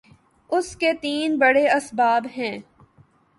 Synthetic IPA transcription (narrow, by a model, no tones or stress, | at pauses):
ʊsket̪iːnbɐɽeɐsbaːbɦɛ̃ː